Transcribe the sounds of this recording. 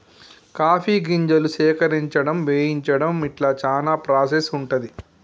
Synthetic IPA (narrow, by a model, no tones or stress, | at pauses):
kaːpʰiːɡiɲd͡ʒɐlusɛːkɐɾiɲt͡ʃɐɽɐmʋeːjiɲt͡ʃɐɽɐmiʈlaːt͡ʃaːnaːpɾaːsesuɳʈɐd̪i